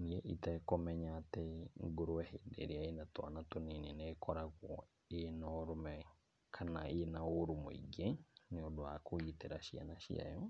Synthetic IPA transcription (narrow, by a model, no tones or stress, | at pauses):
niɛʔitakɔmɛɲatɛŋɡoɾoɛhedḛɾiaenatwa̰natonenɛnɛkʰɔɾaɣwɔ | enɔːɾomɛ | kʰanaenaoɾumo̰ḭɡeneodoa̰koiteɾaʃia̰naʃḭa̰jɔ